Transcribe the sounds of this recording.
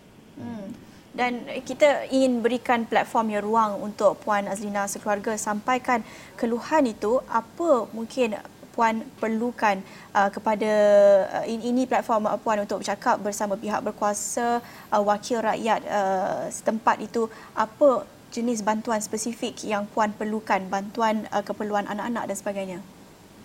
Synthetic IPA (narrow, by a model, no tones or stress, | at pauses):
dankit̪aiŋɪnbəɾikanplat̪̚fɔrmjaruaŋunt̪ʊk̚puanaslinãsəkluarɡasampajkan | kəluhanit̪uʔapəmuŋkʰɪn | puanpərlukan | ʔəkəpada | iinĩplat̪̚fɔrmə̰puanunt̪ʊk̚bət͡ʃakap̚bərsamãpiɦa̰k̚bərkuasa | ʔəwakʰɪlraʔjat̪̚əsə̥t̪əmpat̪it̪u | ʔapə | d͡ʒənɪs̬bant̪uanspəsifɪkjaŋpuanpərlukanbant̪uanəkəpərluanʔa̰naʔana̰k̚dansəbaɡajɲa